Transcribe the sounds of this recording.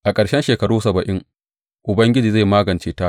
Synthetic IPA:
ʔa˨kʼɐ˨ɽʃɛ˦nʃeː˨kɐ˦ɽuː˦sɐ˨bɐ˨ʔɪ˦ŋ | ʔʊ˨bɐ˦ŋɡʲɪ˦d͡ʒiː˨za˦˨jmaː˦ɡɐ˨nt͡ʃeː˦ta˦

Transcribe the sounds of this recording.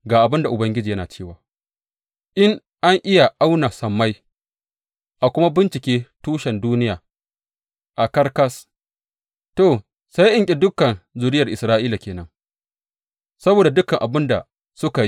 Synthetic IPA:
ɡaː˨ʔa˨bɪ˦nda˨ʔʊ˨bɐ˦ŋɡʲɪ˦d͡ʒiː˨jɐ˦naː˨t͡ʃeː˦˨waː˨ | ʔɪ˦ŋ | ʔa˦ŋʔɪ˦ja˨ʔa˦wna˨sɐ˨mːa˦j | ʔa˨kʷʊ˦ma˦bɪ˦nt͡ʃɪ˨kʲeː˦tuː˦ʃɛ˨nduː˦nɪ˦jaː˨ | ʔa˨kɐ˦rkɐ˦s | toː˨ | sa˦jʔɪ˦ŋkʲʼɪ˨dʊ˦kɐ˨nzʊ˨ɾɪ˦jɐ˨rʔɪ˨sɾaː˦ʔiː˦la˨kʲeː˨nɐ˦ŋ | sɐ˦boː˨da˨dʊ˦kɐ˨ŋʔa˨bɪ˦nda˨ | sʊ˦ka˨

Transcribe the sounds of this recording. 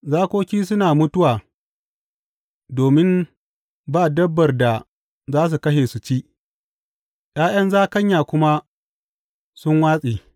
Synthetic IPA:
zaː˦kʷoː˦kʲiː˦s̬ʊ˦naː˨mʊ˦tʊ˦waː˨ | doː˨mɪ˦m | baː˦˨dɐ˦bːɐ˨rda˨ | zaː˦s̬u˨kɐ˦ʃeː˨su˨t͡ʃiː˦ʔ | j̰aː˦jɐ˦nzaː˦kɐ˦ɲjaː˨kʷʊ˦ma˦ | sʊ˦ŋwaː˦sʼiː˨

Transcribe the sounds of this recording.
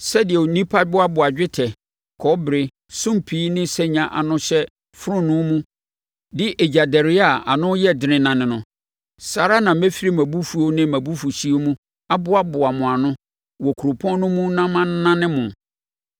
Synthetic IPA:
sɛ˦dɪ˨ɛ˨o˨nĩ˦pʰa˦bʊ˦a˦bʊ˨a˨d͡ʑᶣɪ˦tʰɛ˨ | kʰɔ˦bɾɪ˨ | sʊ̃˦mpʰiː˦nɪ̃˦sɛ˦ɲã˨ʔa̰˨nʊ̃˦ɕɛ˦ | fʊ˦ɾʊ̃˦nʊ̃˦mũ˦ | dɪ˦ʔɛ˨d͡ʑa˨dɛ˨ɾɪ˦a˦˨a̰˨nʊ̃˦jɛ˦dɪ˨nɪ̃˨nã˨nɪ̃˨nʊ̃˨ | sa˨ɾa˦nã˨m̩˦mæ˦fi˦ɾi˦mæ̃˨bu˦fu˨o˦nɪ̃˦mæ̃˨bu˦fu˨ɕi˦o˦mũ˦ | a˦bʊ˦a˦bʊ˨a˨mʊ̃˨a˨nʊ̃˦ | wɔ˨kʰu˨ɾo˨pʰɔ̃˦nʊ̃˦mũ˦nã˦mã˦n˦nã˦nɪ̃˦mʊ̃˨

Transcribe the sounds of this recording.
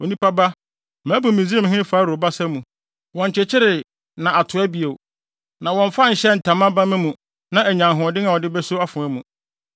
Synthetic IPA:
wo˨nĩ˦pa˦ba˦ | mãː˨˦bũ˨mĩ˨zi˦ã˦m˦ɦɪ̃˦ɪ˦faː˨˦ɾo˨ba˦sɛ˦mũ˨ | wɔ̃˨ɲ̩˨t͡ɕʰɪ˨t͡ɕʰɪ˦ɾɪ˨ | nã˨ʔa˨tʰʊ˨æ˦bi˨e˨ | nã˨wɔ̃˨ɱ˨fa˦ɲ̩˨ɕɛ˦˨n̩˨tʰã˨mã˦bã˦mɪ̃˦mũ˨ | nã˦æ˨ɲã˨ŋɦʊ̃˨ɔ˨dɪ̃˦nã˨ɔ˨dɪ˦bɛ˦sʊ˦a˦fʊ̃˨æ˦mũ˨

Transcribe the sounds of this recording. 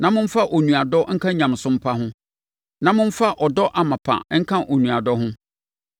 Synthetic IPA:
nã˨mʊ̃˦n̩˦fa˦ʔo˨nũ˨a˨dɔ˦ŋ̩˦kʰã˦ɲã˨m˨sʊ̃˦m̩˦pʰa˦ɦʊ̃˦ | nã˨˦mʊ̃˦ɱ̩˦fa˦ʔɔ˨dɔ˦ʔa˨mã˨pʰã̰˨˦ŋ̩˦kʰã˦ʔo˨nũ˨a˨dɔ˦ɦʊ̃˦

